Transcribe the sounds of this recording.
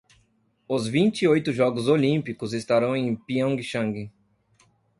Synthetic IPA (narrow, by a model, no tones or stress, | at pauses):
ʊzvĩnt͡ʃiojt̪ʊʒɔɡʊzolĩmpikʊzest̪aɾɐ̃w̃ẽj̃piɐ̃ŋɡɪʃɐ̃ŋɡɪ